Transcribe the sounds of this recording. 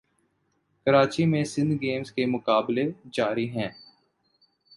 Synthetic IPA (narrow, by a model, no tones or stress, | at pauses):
kəɾaːt͡ʃimẽsɪ̃nd̪ɡeːmzkemʊkaːbled͡ʒaːɾiɦɛ̃ː